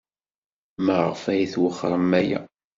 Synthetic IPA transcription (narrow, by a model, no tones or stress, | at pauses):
məʁəfæjiθwəχːɾˤəmæjæ̰